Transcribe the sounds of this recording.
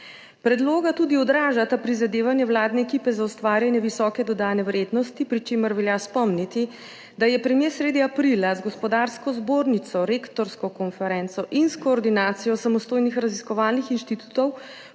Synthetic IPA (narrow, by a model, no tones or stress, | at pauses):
pɾɛd̪loːɡat̪uːd̪iɔd̪ɾaːʒat̪apɾizad̪eːʋanjɛʋwlaːd̪nɛːkipɛzaust̪ʋaːɾjanjɛʋisɔːkɛd̪ɔd̪aːnɛʋɾeːd̪nɔst̪ipɾit͡ʃeːməɾʋɛljaspɔmnit̪i | d̪ajɛpɾɛmjeːsɾeːd̪iapɾilazɡɔspɔd̪aɾskɔzboːɾnit̪sɔɾekt̪ɔɾskɔkɔnfɛɾɛnsɔʔinskɔːɾd̪inaːt̪sijɔsamɔst̪oːjnixɾaziskɔʋaːlnixinʃt̪it̪u̥t̪ɔw